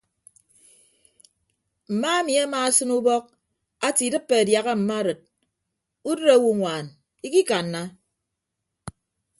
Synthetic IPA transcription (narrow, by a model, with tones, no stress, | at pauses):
m̩˨ma˦e˦mi˨a˦ma˨a˦sɨ˦nu˦bɔ˦k̚ | a˦ti˨dɨ˦pːe˨a˨dja˨ɣa˦m̩˨ma˦ɾɨ˨t̚ | u˦dɨ˦ɾa˦wu˨ŋʷaː˨n | i˦ki˦ka˨nːa˦